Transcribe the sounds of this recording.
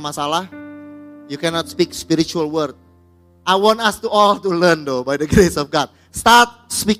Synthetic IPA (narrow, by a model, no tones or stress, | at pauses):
masalah | jukɛnɔt̪̚spikspiɾit͡ʃualwərd̚ | ʔajwɔ̃ntast̪uɔlt̪ulərndobajdəɡɾesɔfɡɔt̪̚ | st̪art̪̚spi